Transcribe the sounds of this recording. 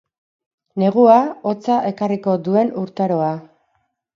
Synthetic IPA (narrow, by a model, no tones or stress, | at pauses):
ne̞ɣ̞uao̞t͡saʔe̞kariko̞d̪ue̞nuɾt̪aɾo̞a